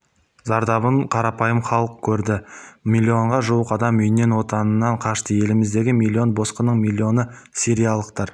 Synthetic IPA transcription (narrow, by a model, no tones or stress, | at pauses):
zɑɾd̪ɑβəɴqʰɑɾɑpɑjəmχɑlˠəq̚kʲʰɵɾd̪ɪmʲilʲːio̞ɴʁɑʒuwəqɑd̪ɑmʏjɪnːe̞nwo̞t̪ɑnənːɑɴqʰɑʃt̪əje̞lɪmɪzd̪e̞ɡʲɪmʲilʲːio̞nbo̞sqənəɴmʲilʲːio̞nə | sʲeɾijɑlˠəqt̪ɑɾ